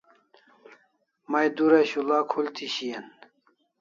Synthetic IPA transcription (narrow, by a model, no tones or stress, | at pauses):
mɐjd̪uɾɐɕulaːkʰult̪ʰiɕijɐn